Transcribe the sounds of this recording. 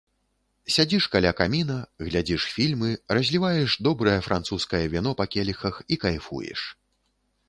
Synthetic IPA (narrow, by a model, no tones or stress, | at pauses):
sʲad͡zʲiʂkalʲakamʲinɐɣlʲad͡zʲiʂfʲilʲmɨrɐzʲlʲivajɛʂd̪ɔbɾɐjɐfɾʔant̪suskɐjɐvʲinɔpakʲɛlʲixɐxikajfṵjɛ̰ʂ